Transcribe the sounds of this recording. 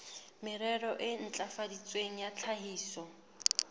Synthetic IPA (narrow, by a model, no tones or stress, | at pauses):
mɪɾɛɾɔʔɪn̩t͡ɬʼafadit͡sʼweŋ̩jat͡ɬʰaɦiːsɔ